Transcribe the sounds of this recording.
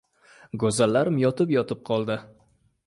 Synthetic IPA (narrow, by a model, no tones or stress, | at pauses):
ɡozalːaɾɪmjɒt̪ʰɪpjɒt̪ʰɪp̚qʰɒlˠd̪ɪ